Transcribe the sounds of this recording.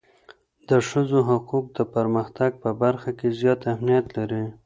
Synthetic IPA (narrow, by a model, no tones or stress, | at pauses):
d̪əʃəzoɦʊquq̚d̪əpəɾməxt̪aɡ̚pəbaɾxakezjɑt̪amnijat̪laɾi